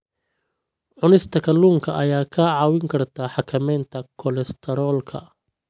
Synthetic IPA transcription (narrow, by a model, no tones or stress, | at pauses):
ʕʊnɪst̪ʰɐkʰɐluːŋkʰɐʔɐjaːkʰaʕɑwɪŋkʰɐrt̪ʰaːħɑkʰɐmɛːnt̪ʰɐkʰɔlɛst̪ʰɛɾɔːlkʰɐ̰